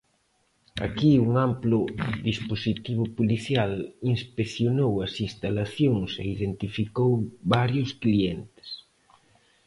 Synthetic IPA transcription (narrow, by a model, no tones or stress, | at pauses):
a̰kiuŋamplʊðisposit̪iβ̞ʊpoliθjalinspekθjonowɐsinst̪alaθjoŋsḛiðent̪ifikowβaɾjʊsklient̪ɪ̥s